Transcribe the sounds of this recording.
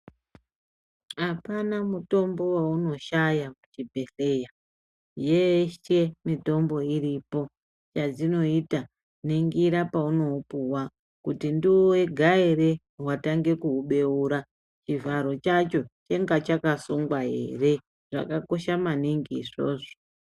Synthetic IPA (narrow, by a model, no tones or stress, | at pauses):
apanamuto̞mbo̞wauno̞ʃajakut͡ʃibʱe̞ɬe̞ja | je̞ʃe̞mito̞mbo̞iɾipo̞ | t͡ʃad͡zino̞ita | niŋɡiɾapauno̞puwa | kutindiwoweɡʱaire̞ | wataŋɡe̞kuuɓe̞uːɾa | t͡ʃivaɾo̞t͡ʃat͡ʃo̞t͡ʃe̞ŋɡat͡ʃakasuŋɡwaɦḛre̞ | ʐ̥a̰kako̞ʃamaniŋɡiːʐo̰ːʐo